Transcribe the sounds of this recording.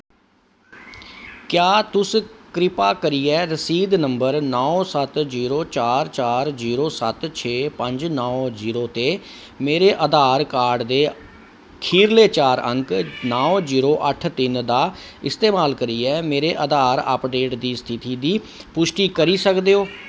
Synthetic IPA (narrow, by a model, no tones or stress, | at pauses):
kjaːt̪ʊskɾɪpaːkəɾiːɛːɾəsiːd̪nəmbəɾnɔːsət̪ziːɾoːt͡ʃaːɾt͡ʃaːɾziːɾoːsət̪t͡ʃʰeːpəɲd͡ʒnɔːziːɾoːt̪eː | meːɾeːʔəd̪aːɾkaːɾɖd̪eː | kʰiːɾleːt͡ʃaːɾə̰̃ŋknɔːoziːɾoːʔəʈʰt̪ɪnd̪aː | ɪst̪eːmaːlkəɾiːɛːmeːɾeːʔəd̪aːɾə̰pɖeːʈd̪iːst̪ʰɪt̪iːd̪iː | pʊʃʈiːkəɾiːsəkd̪eːoː